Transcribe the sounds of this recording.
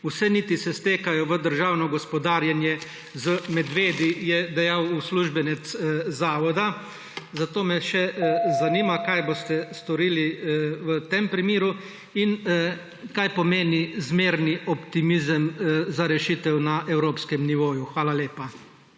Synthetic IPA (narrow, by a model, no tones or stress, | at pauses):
usɛnit̪isɛst̪eːkajɔʋəd̪əɾʒawnɔɡɔspɔd̪aːɾjanjɛ | zəmɛd̪ʋeːd̪ijɛd̪ɛjawusluʒbɛnɛt̪szaːʋɔd̪a | zat̪oːmɛʃɛzanimakajbost̪ɛst̪ɔɾiːliʋət̪empɾimiːɾu | in | kajpɔmeːnizmeːɾniʔɔpt̪imizəmzaɾɛʃit̪ɛwnaʔɛwɾoːpskɛmniʋoːjuxʋaːlaleːpa